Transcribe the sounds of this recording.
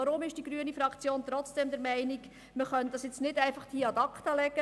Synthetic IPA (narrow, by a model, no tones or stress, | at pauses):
ɑɾʊmɪʃd̥iɡɾyənifɾɑkt͡sjoːnt̪ɾɔt͡sd̥ɛmd̪ɛɾmɛɪniɡ̥ | məχœnt̚d̥ɑsjɛt͡snɪdæɪfɑχd̥iɑdɑkt̪ɑlɛɡə